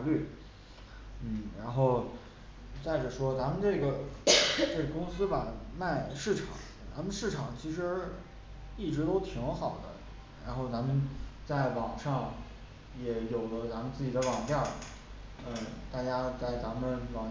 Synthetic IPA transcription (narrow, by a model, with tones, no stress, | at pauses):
ly˥˩ | n̩˥˩ɻa˧˥nxo˥˩ʊ | t͡sa˥˩ɪʈ͡ʂə˨˩ʂwɔ˥t͡sa˧˥mə˨nʈ͡ʂɤ˥˩ɡə˩ | ʈ͡ʂɤ˥˩ɡə˩kʊ˥ŋsɹ̩˥ba˨˩ma˥˧ɪʂɻ̩˥˩ʈ͡ʂʰɑ̰˨˩˦ŋ | t͡sa˧˥mə˧nʂɻ̩˥˩ʈ͡ʂʰɑ˨˩ŋt͡ɕʰi˧˥ʂ̬ɻ̩˧˥ | i˥˩ʈ͡ʂɻ̩˧˥t̪o˥ʊt̪ʰi˧˥ŋxɑ˨˩ʊd̪ə̰˦ | ɻa˧˥nxo˥˩ʊt͡sa˧˥mə˧nt͡sa˥˩ɪwɑ˨˩ŋʂɑ˥˩ŋ | jɛ˧˥jo˨˩ʊlə˦t͡sa˧˥mə˧nt͡sɹ̩˥˩t͡ɕi˨˩d̪ə˦wɑ˨˩ŋt̪jɑ˥˩ | ə˥˧˩t̪a˥˩t͡ɕja˥t͡sa˥˩ɪt͡sa˧˥mə˧nwɑ˨˩